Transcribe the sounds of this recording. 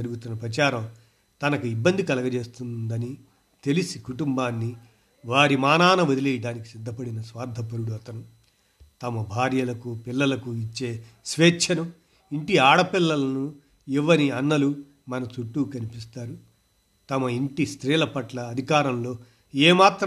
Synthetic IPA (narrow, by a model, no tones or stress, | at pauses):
ɐɾuɡut̪unːɐpɾɐt͡ʃaːɾɐm | t̪ɐnɐkuibːɐnd̪ʱikɐlɐɡɐt͡ʃe̞ːst̪und̪ɐni | t̪e̞lisikuʈumbaːnːi | ʋaːɾimaːnaːnɐʋod̪ilɛːjɐɖaːniki̥sid̪ːɐpɐɽinɐsʋaːɾd̪ʱɐpɐɾuɽuɐt̪ɐnu | t̪ɐmɐbʱaːɾjɐlɐkupilːɐlɐkuit͡ʃːe̞ːsʋeːt͡ʃʰɐnɐm | iɳʈiaːɽɐpilːɐlɐnu | iʋːɐɾiɐnːɐlu | mɐnɐt͡ʃuʈːuːkɐnipist̪aːɾu | t̪ɐmɐiɳʈist̪ɾiːlɐpɐʈlɐːd̪ʱikaːɾɐmlo̞ː | eːmaːt̪ɾ